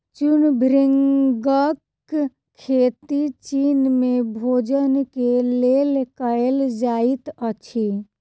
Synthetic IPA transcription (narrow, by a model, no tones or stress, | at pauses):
t͡ʃʊnbʱɾiŋɡəkʰː | eːt̪it͡ʃiːnmẽbʱoːd͡ʒənkeleːlkəeld͡ʒaːit̪ət͡ʃʰi